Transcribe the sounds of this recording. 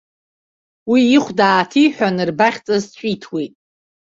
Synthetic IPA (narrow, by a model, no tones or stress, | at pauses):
wiːiχʷdaːtʰijħʷᶣanɨrbaχʲt͡sʼazt͡ʃʷʼitʰwijtʼ